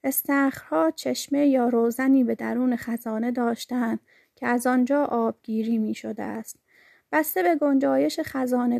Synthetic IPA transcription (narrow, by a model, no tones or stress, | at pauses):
est̪æːxɾhɒːt͡ʃʰeʃmejɒːɾoːzæniːbe̞d̪æɾuːnexæzɒːne̞d̪ɒːʃt̪ænd̪̥ | cʲʰeæzɒnd͡ʒɒːʔɒːb̥̚ɡ̥iːɾiːmiːʃod̪ḛʔæ̰st̪ | b̥æst̪e̞be̞ɡo̞nd͡ʒɒːje̞ʃexæzɒːne